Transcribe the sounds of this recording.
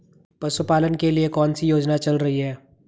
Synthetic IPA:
pɐsʊpaːlənkeliekɔːnsijoːd͡ʒnat͡ʃɐlɾɐɦiɦɛː

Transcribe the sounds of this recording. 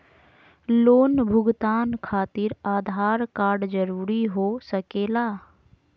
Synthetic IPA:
loːnbʱʊɡt̪aːnkʰaːt̪ɪɾaːd̪ʱaːɾkaːɾɖd͡ʒəɾuːɾiɦoːsəkeːlaː

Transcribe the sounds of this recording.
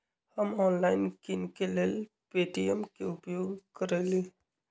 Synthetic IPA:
həmɔːnlaːɪnkɪnkeleːl | peːʈijəmkeʊpjoːɡkəɾeːli

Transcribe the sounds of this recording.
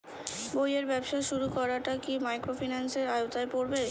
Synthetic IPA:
bojeɾbɛbʃaʃuɾukɔɾaʈakimajkɾofʰinanseɾajot̪aepoɾbe

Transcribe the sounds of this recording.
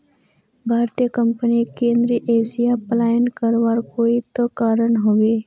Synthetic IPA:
bʱaːɾt̪ijəkəmpənikẽːnd̪ɾiʔeːsijapəlaːjənkəɾʋaːɾkoːit̪okaːɾənɦoʋeː

